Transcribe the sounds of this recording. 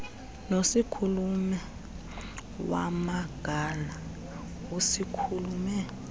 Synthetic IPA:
nosikʰulumɛ | wa̰maɡ̥ʱala | wusikʰulumɛ

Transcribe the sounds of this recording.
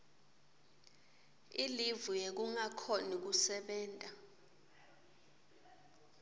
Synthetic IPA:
ilivujek̬uŋakʰonik̬usɛɓɛːntʼa

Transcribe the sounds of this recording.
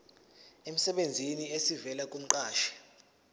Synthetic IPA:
em̩sɛɓend͡zʱiniesivɛlakʼum̩ǃaːʃɛ̥

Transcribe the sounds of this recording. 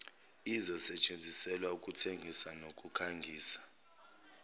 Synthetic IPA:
izɔsɛt͡ʃʼend͡zʱisɛlwaukʼutʰeŋɡʱisanokʼukʰaŋɡʱiːsḁ

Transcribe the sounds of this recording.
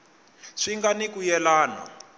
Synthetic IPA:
ʂiŋɡanikujɛlaːna̰

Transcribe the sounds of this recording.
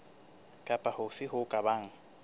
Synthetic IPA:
kʼapʼahʊfɪɦʊkʼabaŋ̩

